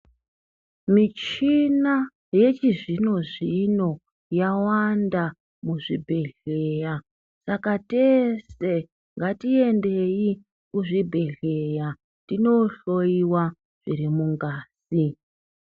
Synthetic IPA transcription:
mit͡ʃina | je̞t͡ʃiʐino̞ʐino̞ | jawanda | muʐibʱe̞ɮe̞ja | sakate̞se̞ | ŋɡatie̞ndei | kuʐibʱe̞ɮe̞ja | tino̞ɬo̞iwa | ʐ̥irimuŋɡaːsi

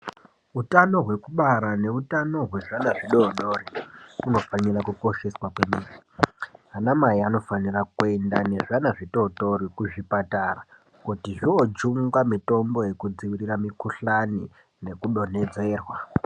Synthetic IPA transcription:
utano̞ɦwe̞kuɓaɾane̞utano̞ɦwe̞ʐanaʐiɗoɗoriuno̞fanirakuko̞ʃe̞swakwe̞miːkiɦanamaiano̞fanirakue̞ndane̞ʐanaʐiɗo̞ɗo̞rikuʐipatara | kutiʐiod͡ʒuŋɡamito̞mbo̞je̞kud͡ziʋiɾiramikuɬani | ne̞kuɗo̞ne̞d͡ze̞ːrwa

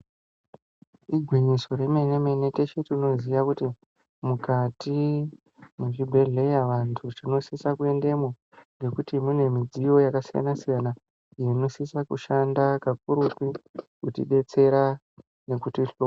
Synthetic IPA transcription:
iɡʱwiɲiso̞ɾe̞meneme̞ne̞te̞t͡ʃetirino̞ziʋakuti | mukati | muʐibʱe̞ɮe̞jaʋantʰurino̞sisakue̞nde̞mo | ŋɡe̞kutimune̞mid͡zijo̞jakasija̰nasijana | ieno̞sisakuʃandakak̚uɾupikutḭɗe̞t͡se̞ɾa | ne̞kutiɬo

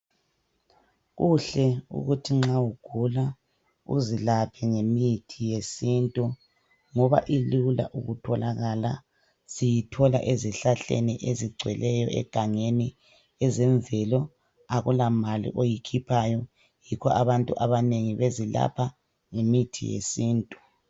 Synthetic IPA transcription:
ɣuɬɛṵɣutʰiŋ͡ǁawuɡ̥ʱula | ṵzilapʰɛŋemitʰijesintʼu | ŋɔβa̰ʔilula̰ʔuɣutʰɔlaɣala | z̥ijitʰɔla̰ʔeziɬaɬḛniʔeziɡ͡ǀʱwɛlɛjɔɛ̰ɡ̥ʱaŋeni | ɛzɛɱvɛlɔ | aɣulamalḭʔojikʰipʰajɔ | jikʰɔʔaβantʼuʔaβaneŋiβezila̰pʰa | ŋemitʰḭjḛsiːntʼu

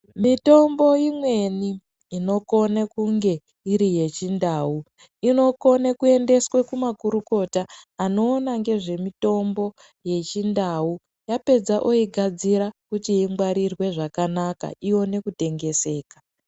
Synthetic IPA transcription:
mito̞mbo̞jimwe̞niː | no̞ko̞nekuŋɡe̞ | iɾije̞t͡ʃindaːu | ino̞ko̞nekue̞nde̞swekumakuɾuko̞taːno̞ːnaŋɡe̞ʐe̞mito̞mbo̞ | je̞t͡ʃindau | jape̞d͡zaʔoiɡʱad͡ziɾakutiiŋɡwaɾirwe̞ʐakanaka̰ʔijo̞ne̞kute̞ŋɡe̞se̞ːkḁ

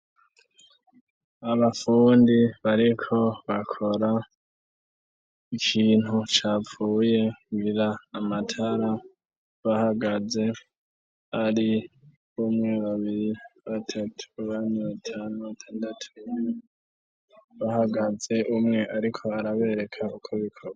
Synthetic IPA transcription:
aβafuːndiβaɾikʰo̞βakʰo̞ɾa | ikʰiːn̥hut͡ʃaːp͡ffuːje̞ɡiɾaːmatʰaɾa | βahaɡaze̞ | aɾi | umŋe̞βaβiɾiβatʰatʰu̥βaniβatʰanuβatʰaːndatʰu | βahaɡaze̞ʔumŋe̞ʔaɾikʰo̞aɾaβe̞ɾe̞kʰaukʰoβikʰoβa

